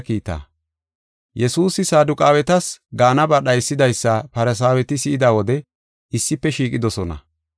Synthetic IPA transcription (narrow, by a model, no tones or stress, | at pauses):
kiːt̪ːa̰ː | jɛsuːsɪsaːd̪ʊkʼaːwɛt̪ɐsɡaːnɐbɐɗɐjsːɪd̪ɐjsːɐpɐɾɛs̬aːwɛt̪ɪsɪʔɪd̪aːwɔd̪ɛ | ɪsːɪpːɛʃiːkʼɪd̪ɔsɔnɐ̰